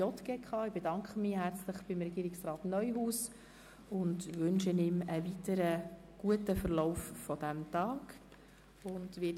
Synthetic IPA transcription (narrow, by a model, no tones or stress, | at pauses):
jɔt̪ɡɛkχɑːɪb̥edɑŋkχəmɪːhæɾt͡sləχb̥ɪmɾɛɡ̥iːɾɪksrɑːtnœʏɦuːs | ʊndʋʏnʃənɪməvitəɾə | ɡ̥uətəfəɾlɔʊfːɔd̥æmtɑːk | ʊndʋi